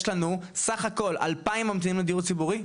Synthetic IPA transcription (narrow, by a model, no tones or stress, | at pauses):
ʃlanusaχako̞la̰lpaimːamt̪inimled̪iuʁt͡sibuʁi